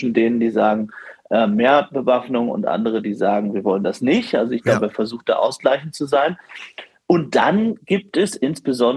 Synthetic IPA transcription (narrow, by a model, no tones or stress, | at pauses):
ʃn̩deːnəndiːzaːɡŋ̩ʔɛːmːeːɐbəvafnʊŋʊ̰ntʔa̰ndəʁ̞ədiːzaːɡŋ̩viːɐvɔləndasnɪçtʔa̰lzoɪçɡ̥laʊbəːɐfɛɐzuːxt̚d̥a̰ːʔaʊsɡ̥laɪçn̩tt͡suzaɪn | ʔʊnt̚d̥anɡ̥iːp̚tɛsʔɪnsb̥əzɔn